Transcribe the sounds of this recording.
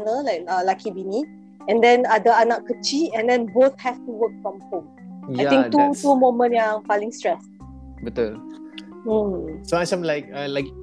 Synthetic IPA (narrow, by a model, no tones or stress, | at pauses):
nəlajkəlakibini | ɛ̃ndɛ̃nadəanakːət͡ʃiɛ̃ndɛ̃nboθ̚hɛftuwək̚fɹɔ̃mhõmajĩŋtutumõmə̃njãŋfalĩŋstɹɛs | bət̪ul̩ | soasãmlaɪk̚alaɪk̚